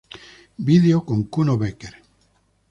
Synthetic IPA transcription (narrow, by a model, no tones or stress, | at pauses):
biðeokoŋkunoβekeɾ